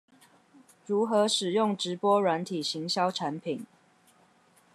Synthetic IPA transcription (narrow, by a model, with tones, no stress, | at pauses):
ɻu˨˥xɤ˨˦ʂɻ̩˨˩jʊ˥˩ŋʈ͡ʂɻ̩˨˦pwɔ˥ɻwa˧˦nt̪ʰi˨˩ɕi˨˦˥ŋɕjɑ˥ʊʈ͡ʂʰa˧˦npʰi˨˩˦n